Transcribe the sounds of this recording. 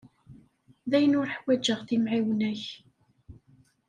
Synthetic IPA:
ðæjənʊɾħwæd͡ʒːəʁθimʕiwnæç

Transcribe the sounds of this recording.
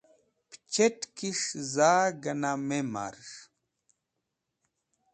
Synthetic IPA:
pt͡ʃetkiʂzaːɡanamema̰ɾʃ

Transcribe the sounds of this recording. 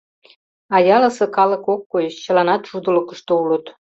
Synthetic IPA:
ɑjɑlə̆sɤ̆kɑlə̆kokːojəʃt͡ɕə̆lɑnɑt̪ʃud̪ələ̆kə̆ʃt̪oulə̆t̪

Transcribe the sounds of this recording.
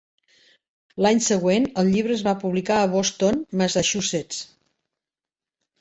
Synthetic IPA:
laɲsəɣwenəlˠʎiβ̞ɾəːzβapuβlikaəβost̪onməzaʃuset͡s

